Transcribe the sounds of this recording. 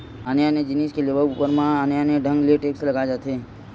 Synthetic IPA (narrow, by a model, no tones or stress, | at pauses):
ənjaned͡ʒɪniskeleːbəupəɾmãənjaneɖʱə̃ŋɡlieʈeːkslɐɡad͡ʒat̪ɦe